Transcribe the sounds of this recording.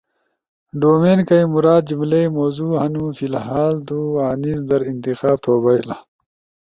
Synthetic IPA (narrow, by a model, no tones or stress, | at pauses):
ɖoːmeːnkɐjmuɾaːd̪̚d͡ʑumlejmoːzuːhɐnũfilɦaːld̪uaːnizd̪ɐɾint̪ixaːb̚t̪ʰoːbɐjla̰